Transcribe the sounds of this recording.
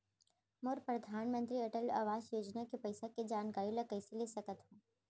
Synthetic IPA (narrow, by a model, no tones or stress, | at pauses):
moɾpɾɐd̪ʱaːnmə̃nt̪ɾiɐʈəla̰ːʋaːzjoːd͡ʒnakepɐɪsaked͡ʒaːnkaːɾjilakɐɪselesɐkət̪ɦõː